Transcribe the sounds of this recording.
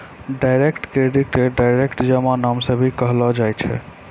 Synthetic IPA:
ɖajɾekʈkɾeɖiʈeɖajɾekʈd͡ʒəmanamsəbʱikəɦlɔd͡ʒajt͡ʃʰɛ̰

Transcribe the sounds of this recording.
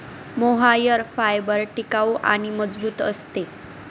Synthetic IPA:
moɦajəɾfajbəɾʈikawʔa̰ɽ̃iməd͡zbuːt̪ə̰st̪e

